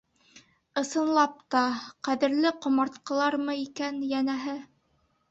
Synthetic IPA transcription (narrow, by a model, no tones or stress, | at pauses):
ɤ̆sɤ̆nlˠɑp̚t̪ɑqæðɘ̆ɾlɘqŏmɑɾt̪qɤ̆lˠɑɾmɤikænjænæɦɘ